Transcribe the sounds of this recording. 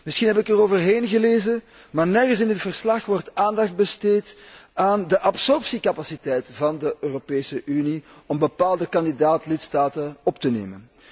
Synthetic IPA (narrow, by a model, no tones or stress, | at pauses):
mɪsxinɦɛpɪkəroːvərɦeːnɣəleːzən | maːrnɛrɣənsɪndɪtfərslɑxʋɔrtaːndɑxd̚bəsteːtaːndəʔɑpsɔrpsikɑpasitɛjtvɑndəʔøːropeːsəʔyni | ɔmbəpaːlˠdəkɑndidaːtlɪtstaːtəɔptənḛːmən